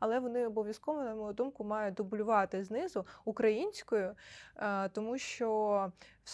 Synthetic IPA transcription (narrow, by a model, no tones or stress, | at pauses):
ɐlˠɛʋɔnɪɔbɔʋʲjɐskɔʋɐnɐmɔjʊd̪umkʊmɑjʊd̪ɔbʊlʲʊʋɑt̪ɪznɪzʊukɾɐjinʲsʲkɔjʊ | t̪ɔmuʃt͡ʃɔws